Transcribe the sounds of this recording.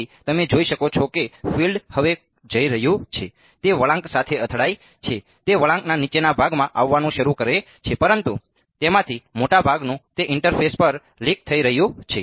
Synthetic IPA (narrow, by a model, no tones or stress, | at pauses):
it̪əmed͡ʒoiʃəkot͡ʃʰokefilɖhəʋe | d͡ʒəiɾəɦjũt͡ʃʰe | t̪eʋəɭãŋksat̪ʰeət̪ʰɽai | t͡ʃʰe | t̪eʋəɭãŋknanit͡ʃenabʱaɡmãʔaʋːanũʃəɾukəɾe | t͡ʃʰepəɾənt̪u | t̪emãt̪ʰimoʈabʱaɡnũt̪eʔɪɳʈəɾfʰespəɾ | lik̚t̪ʰəiɾəɦjũt͡ʃʰe